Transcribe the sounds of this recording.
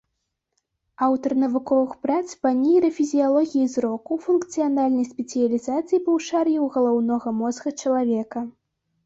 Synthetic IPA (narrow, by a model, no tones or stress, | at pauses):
awt̪ɐrnɐvukɔvɨxpɾat̪spanʲijɾɐfʲizʲijalˠɔɣʲijizɾɔkufunkt̪sɨjanalʲnɐjsʲpʲɛt̪sɨjɐlʲizat̪sɨjipɐwʂarjɛwɣɐlˠawnɔɣɐmɔzɣɐt͡ʂɐlˠavʲɛkɐ